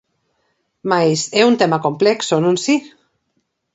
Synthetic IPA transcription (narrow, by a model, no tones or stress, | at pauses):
majseunt̪emakomplɛksonũnsi